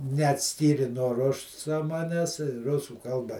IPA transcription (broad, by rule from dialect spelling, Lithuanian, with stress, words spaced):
nʲɛɐtʲˈsʲkʲiːrʲɪ nuɔ ˈrʊsɐ ˈmɑːnʲɛs ˈrʊsuː ˈkɐlˠbɐ